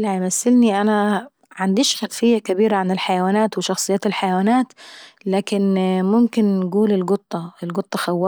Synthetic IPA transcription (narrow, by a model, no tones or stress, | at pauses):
laʕamasːɪlniʔana | ʕand̪iːʃxatfɪjːakabiːɾaʕanɪlħajawaːnaːt̪wɪʃɑxsˤɨjːaːt̪ɪlħajawaːnaːt̪laːkɪnmʊmkɪnːɡuːlɪlɡʊt̪ˤːɑɪlɡʊt̪ˤːɑxawːɑː